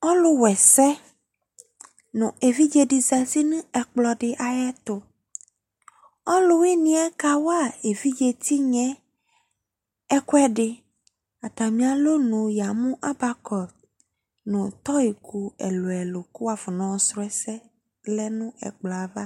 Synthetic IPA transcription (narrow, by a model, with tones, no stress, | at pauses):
ɔ˦lu˦wɛ˨sɛ˦ | nũ˨e˨vi˦d͡ʒe˦ɖi˨za˨si˦nũ˦ɛ˨k͡plɔ˨ɖɪ˨ʔa˨jɛ˦t̪ʊ˨ | ɔ˦lu˦wi˦nĩ˦ɛ˦ka˦wa˦e˨vi˦d͡ʒe˦t̪i˦ɲɛ̃˦ | ɛ˦kwɛ˦ɖɪ˨ | a˨t̪a˨mĩ˦a˨lo˦nũ˨ja˨mũ˦ʔa˦ba˦kɔ˨ | nũ˨t̪ɔ˦i˨ku˨ḛ˨lo˨ɛ˨lo˨ku˦wa˨vɔ˨nɔ̃˨sɾʊ˦ɛ˦sɛ˦ | lɛ˦nũ˦ɛ̰˨k͡plɔ˨a˨va˦